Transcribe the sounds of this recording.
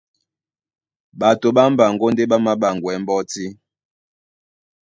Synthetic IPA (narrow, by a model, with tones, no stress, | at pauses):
ɓa˨to˨ɓa˦m˦ba˨ŋɡo˦n˦de˦ɓa˦ma˦ɓa˨ŋɡwɛ˨˦m˦bɔ˦ti˦